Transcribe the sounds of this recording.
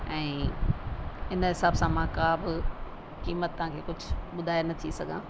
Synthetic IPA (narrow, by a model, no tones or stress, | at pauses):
ɛ̃ː | ɪnɦɪsaːbsãmãkaːbɪ | kiːmət̪ːɐɦãkʰeːkʊd͡ʑʱʊɓʊd̪ʱaːenɐt̪ʰisɐɡʱã̰ː